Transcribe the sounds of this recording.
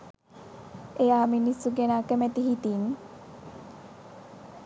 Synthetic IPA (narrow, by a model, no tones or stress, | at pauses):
ejaːminisːuɡenaːkəmæt̪iɦit̪in